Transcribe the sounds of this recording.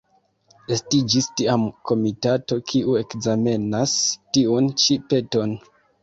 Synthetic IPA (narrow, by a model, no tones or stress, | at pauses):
e̞stid͡ʒistiamko̞mitato̞kʰiʔue̞kzame̞nastiunt͡ʃipe̞to̞n